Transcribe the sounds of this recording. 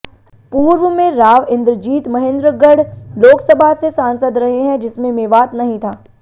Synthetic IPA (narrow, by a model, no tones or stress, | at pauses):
puːɾʋəmẽɾaːʋɪ̃nd̪ɾəd͡ʒiːt̪mɐɦẽnd̪ɾəɡəɽloːksəbʱasesãːnsəd̪ɾɐɦeɦɛ̃d͡ʒɪsmẽmeːʋaːt̪nɐɦĩt̪ʰaː